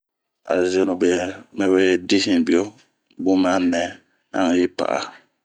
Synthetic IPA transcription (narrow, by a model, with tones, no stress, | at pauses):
a̰˨ze˦no˨bmɛ˦we˦di˦si˨bi˨o˦ | bʊ˦ma˦nːɛ˨ | a̰˦ŋ˨ji˦pa̰˨ʔa̰˨